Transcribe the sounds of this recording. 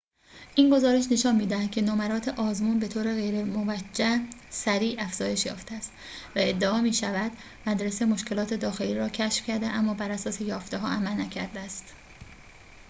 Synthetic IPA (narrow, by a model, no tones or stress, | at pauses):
ʔiːnɡo̞zɒːɾe̞ʃ̬ne̞ʃɒːnmiːd̪æhæd̪cʰe̞nomæɾɒːt̪ʰeʔɒːzmuːnbe̞t̪ʰoːɾe̞ɣejɾemovæd͡ʒːæsæɾiːæfz̥ɒːje̞ʃjɒ̰ːft̪ʰeæst̪ | væe̞d̪ːeɒːmiːʃævæd̪̥ | mæd̪ɾesemo̞ʃcʰe̞lɒːt̪ʰe̞d̪ɒːxe̞liːɾɒːcʰæʃfcʰæɾd̪eʔæmːɒːbæɾæsɒːse̞jɒːft̪e̞ɦɒ̰ːʔæmælnæcʰæɾd̪eæst̪